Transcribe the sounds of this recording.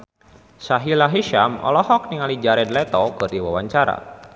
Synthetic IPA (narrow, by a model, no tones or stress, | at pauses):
saɦilaɦiʃamɔ̰lɔɦɔk̚niŋalid͡ʒaɾɛdlɛt̪ɔkɨrdiwawaɲt͡ʃaɾa̰